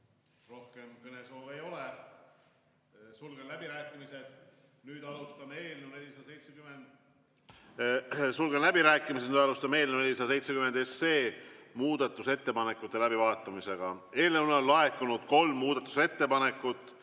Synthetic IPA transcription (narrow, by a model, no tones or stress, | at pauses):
ro̞hke̞mkɤneso̞ːvejo̞le | sulɡ̥enlæb̥iɾæːkˑːimise̞d̪̥ | nyːd̪ɑlust̪ɑmeːlnewne̞lʲːisɑd̪̥ɑsejt̪sekymend̪̥ | sulɡ̥enlæbiɾæːkːˑimisenyd̪ɑlust̪ɑme̞ːlnenelʲːisɑd̪ɑse̞jt̪sekyme̞nd̪e̞sːe̞ːmuːd̪̥ɑt̪ːˑuse̞t̪ːe̞pɑnekːˑut̪ːˑe̞læbivɑːt̪ːˑɑmise̞ɡ̥ɑe̞ːlnewnnlɑe̞k̪ːˑunud̪̥ko̞lmːuːd̪̥ɑt̪ːˑu̥se̞t̪ːe̞pɑne̞kːˑut̪ːˑ